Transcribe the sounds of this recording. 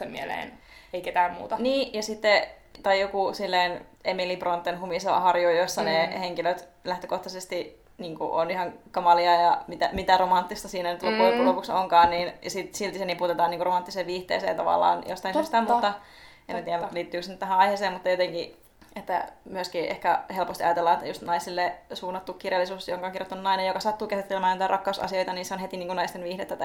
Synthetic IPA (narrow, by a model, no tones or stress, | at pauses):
emmielḛːn | eiket̪æːmmṵːt̪ɑniːjɑsit̪ːe | t̪ɑijokusilːein | emilipront̪ːenhumisɑɑ̰hɑrjuijosːɑneheŋkiløt̪læht̪økoht̪ɑsest̪i | niːŋkṵʔonihɑŋkɑmɑliɑjɑmit̪æmit̪æromɑnt̪ːist̪ɑsiːnænyt̪lokuikulopuksoŋkɑːnniːnjɑsit̪silt̪isenipuut̪et̪ɑːniːŋkuromɑnt̪ːiseʋʋiːht̪ḛːsḛːjɑt̪ɑ̰ʋɑ̰lːˑɑ̰ːnjo̰st̪ɑinsyst̪ænt̪ot̪ːɑ | emmæt̪iːænliːt̪ːyːksnyt̪æɦæ̃ɑiheseːmut̪ːɑjot̪eŋki | et̪ːæ̰myøskiːʔḛhkæhelpost̪iɑjɑt̪elːɑːet̪ːæjust̪nɑisilːesuːnːɑt̪ːukːirjɑlːisuːsjoŋkɑoŋkirjot̪ːɑnunɑinejokɑsɑt̪ːuːkæsit̪ːelemæːnit̪ærɑkːɑusɑ̰sio̞jt̪ɑniːnseonhet̪iniːŋkunɑist̪enʋiːhdet̪ːæt̪